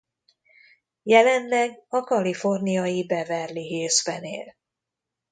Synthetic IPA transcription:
jɛlɛnlɛɡɒkɒlifo̞rnijɒjibɛvɛrliɦeːzbɛnḛːl

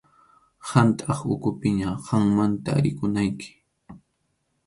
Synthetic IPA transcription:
hant̪ʼɑχʊkʊpɪɲaɢɑŋmant̪a̰ːɾɪkʊnajkʰɪ̥

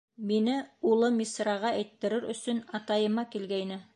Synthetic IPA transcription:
minɘulˠɤmʲisrɑʁɑʔæjt̪ːɘ̆ɾɘɾɵ̰̆sɵnɑt̪ɑjɤ̆mɑkilɡæjnɘ

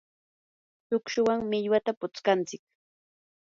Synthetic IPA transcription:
sʊkʃʊwaŋmɪʎwat̪apʊt͡skant͡sɪk̚

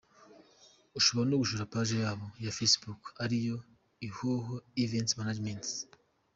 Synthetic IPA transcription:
uʃoβoɾonuɡuʃuɾapaʒe̞jaːβo̞jafesbukaɾijo̞ | ihoɦoiventsmanad͡ʒment

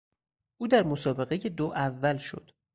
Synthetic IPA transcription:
ʔuːd̪æɾmo̞sɒːbe̞ɣeje̞d̪oʔævːælʃo̞̰d̪̥

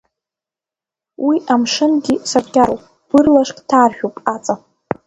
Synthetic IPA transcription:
wʔiʔamʂɨnɡʲisarkʲaɾowpʼ | b̥ɨrlaʂkʲʼtʰaːrʃᶣupʼat͡sʼa

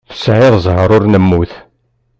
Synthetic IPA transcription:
θə̥sʕɪðzˤɦəɾˤʊɾnəmːuθ

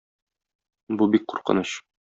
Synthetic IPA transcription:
bubik̚quɾqɤ̰̆nɤɕ

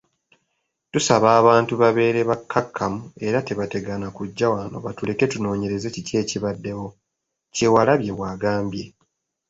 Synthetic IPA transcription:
tusaβaːβaːntuβaβe̞ːɾe̞βakʰːakːamue̞ɾate̞βate̞ɡanakuɟːawano̞̰βatule̞ke̞tuno̞ːɲe̞ɾe̞zecice̞ːciβadːe̞wo̞ | ce̞walaβje̞waːɡaːmbje̞

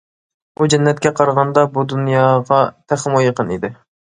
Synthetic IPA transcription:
ud͡ʒɛnːɛt̪̚kʲɛqʰɑɾʁɑnd̪ɑbud̪unjɑːʁɑt̪ʰæχəmojəqʰənḭd̪ɪ

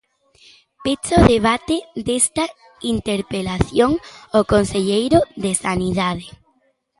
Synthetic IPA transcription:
pit͡ʃoðeβ̞at̪ed̪est̪ɐ | int̪eɾpelaθjoŋokonseʎejɾoðesaniðað̞e

